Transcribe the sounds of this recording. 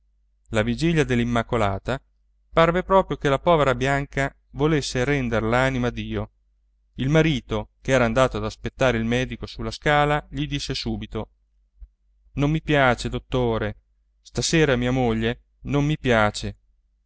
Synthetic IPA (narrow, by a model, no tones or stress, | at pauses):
lavid͡ʒiʎːad̪elːimːakola̰ːt̪a | parvepɾɔːpɾjokelapɔːveɾabjaŋka | volesːeɾɛnd̪eɾlaːnimad̪iːo | ilmaɾiːt̪okeɛːɾaːnd̪aːt̪oad̪aspet̪ːaːɾeilmɛːd̪ikosulːaskaːlaʎid̪isːesuːbit̪o | nomːipjaːt͡ʃed̪ot̪ːoːɾe | st̪aseːɾamiːamoʎːe | nomːipjaːt͡ʃe